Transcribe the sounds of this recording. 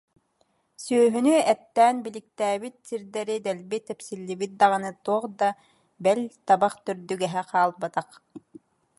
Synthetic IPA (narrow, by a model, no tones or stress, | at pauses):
syːɦynyɛt̪ːɛːnbilik̚t̪æːbit̪̚siɾd̪ɛɾid̪ɛlbit̪ɛpsilːibit̪̚d̪aʁɯnɯt̪uɔχd̪a | bɛlʲt̪abaχt̪œɾd̪yɡɛɦɛqaːlˠbat̪aq